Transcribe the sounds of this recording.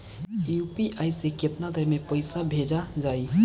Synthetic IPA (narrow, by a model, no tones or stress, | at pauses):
jupiʔaiseket̪nad̪ʱəɾmepəɪsabʱed͡ʒad͡ʒaːi